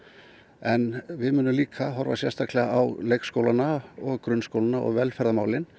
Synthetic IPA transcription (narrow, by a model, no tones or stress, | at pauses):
ɛnvɪðmʏːnʏmliːkʰaɦɔɾva̰sjɛ̰st̪aklɛɣaawlejkskowlanaɔɣkɾʏnskowlanaʔɔ̰ɣvɛlfɛɾðamaːwlɪn